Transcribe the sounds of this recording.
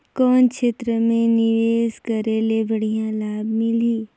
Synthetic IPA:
kɔːnkʃeːt̪ɾəmẽnɪʋeːskəɾelebɐɽ̤ijãlaːbmɪliː

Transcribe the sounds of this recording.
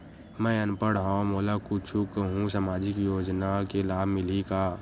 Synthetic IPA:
mɛ̃ɐnpəɽɦãmoːlakʊt͡ʃʰukɦũsaːmaːd͡ʒɪkjoːd͡ʒnakelaːbʱmɪlikaː

